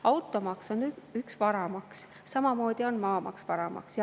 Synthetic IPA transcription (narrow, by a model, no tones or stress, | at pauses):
ɑwt̪ˑːo̞mɑkso̞nːyd̪̥yksvɑɾɑmɑkssɑmɑmo̞ːd̪̥ʲio̞nmɑːmɑ̰kspɑɾɑmɑ̰ksjɑ